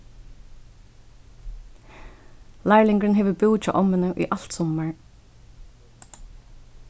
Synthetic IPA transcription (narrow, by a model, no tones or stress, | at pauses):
læɪlɪŋɡɹənheːʋəbuːc͡çʰɑ̰ːʔɔmənəʔḭːʔɑlt̪sɔməɹ